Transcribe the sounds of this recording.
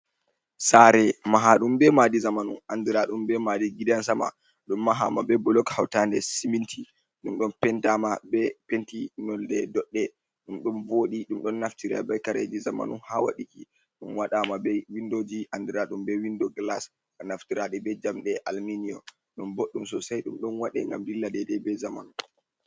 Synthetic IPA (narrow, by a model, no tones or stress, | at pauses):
saɾɛmaɦaɗumbɛmadizamanṵnandiɾaɗumbɛmadiɡidansama̰ | ɗumːaɦa̰mabɛbɔlɔkhawtandɛsimintʰi | ɗumɗɔnpɛntamabɛpentinɔldɛdɔɗːɛ | ɗumɗumvoɗiɗumɗɔnːaftiɾa̰bajkaɾed͡ʒizama̰nuhawa̰ɗiki | ɗumwaɗamabɛwindod͡ʒiʔandiɾaɗumbɛwindɔɡlas | ɔnaftiɾaɗɛbɛd͡ʒamɗɛʔalminiɔ | ɗumboɗːumsɔsajɗumɗɔnwaɗɛ̰ŋɡa̰mdilːadɛdɛbɛzama̰nu